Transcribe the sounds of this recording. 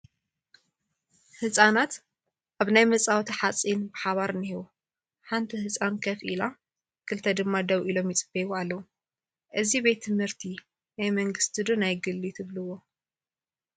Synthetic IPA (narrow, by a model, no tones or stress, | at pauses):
hɨsʼanat̪ | ʔaβnajmɐt͡sʼawt̪ʰiħat͡sʼinbɨħaβaɾɨnɨhiwo | ħant̪ʰihɨsʼankʰɐfʔila | kʰɨlt̪ʰɐd̪ɨmːad̪ɐwʔilo̞mjɪt͡sʼɨbewualːɐwu | ʔɨzibe̞t̪ʰːɨmhɨɾt̪ʰi | najmɐŋɡɨst̪ʰid̪unajɡɨlːit̪ʰɨβlɨwːo